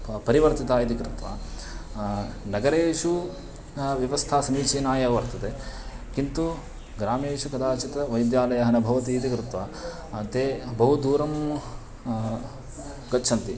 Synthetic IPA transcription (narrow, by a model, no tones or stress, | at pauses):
pɐɾiʋɐɾt̪it̪aːid̪ikɾɪt̪ʋa̰ː | nɐɡɐɾeːʂu | ʋjɐʋɐst̪ʰaːsɐmiːt͡ʃiːnaːjɐʋɐɾt̪ɐt̪e | kint̪u | ɡɾaːmeːʂukɐd̪aːt͡ʃit̪ɐʋɐjd̪jaːlɐjɐɦɐnɐbʱɐʋɐt̪iːt̪ikɾɪt̪ʋaː | t̪eːbɐɦud̪uːɾɐm | ɡɐt͡ʃːʃʰɐnt̪i